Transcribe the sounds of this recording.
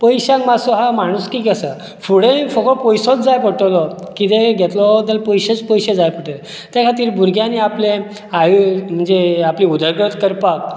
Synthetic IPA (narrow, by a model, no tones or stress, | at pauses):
pəjɕãŋkmasuɦamaɽ̃uskiːkəsə | fuɽẽfɔkɔpɔjsɔt͡sd͡zajpəʈolɔkit̪eɡʱɛt̪lɔd̪əlpɔjɕet͡spɔjɕed͡zajpəʈəl | t̪jakʰat̪iːɾbʱuɾɡʱjaniaple | ajm̤əɳd͡zeapliud̪ʱəɾɡɾət̪kəɾpak̚